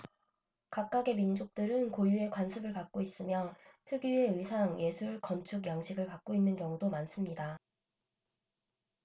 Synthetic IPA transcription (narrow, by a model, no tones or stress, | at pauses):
kak̚k͈aɡe̞mind͡ʑok̚t͈ɯɾɯnkojue̞kwansʰɯbɯɭkak̚k͈ois͈ɯmjʌtʰɯɡie̞ɯisʰaŋje̞sʰuɭkʌnt͡ɕʰuɡjaŋɕʰiɡɯɭkak̚k͈oinːɯnkjʌŋudomans͈ɯmɲida